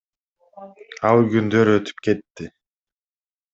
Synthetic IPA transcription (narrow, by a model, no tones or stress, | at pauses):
ɑlˠɡynd̪øɾøt̪ʰy̥pke̞t̪ːɪ